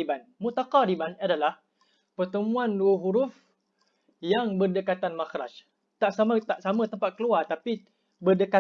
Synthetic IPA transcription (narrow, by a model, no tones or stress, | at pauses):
ibanmut̪aqaɾibanadalah | pərt̪əmũãnduəɦuɾuf | jaŋbərdəkat̪anmaxɾa̰t͡ʃ | t̪aʔsamat̪aʔsamãt̪əmpat̪̚kəluart̪api | bərdəka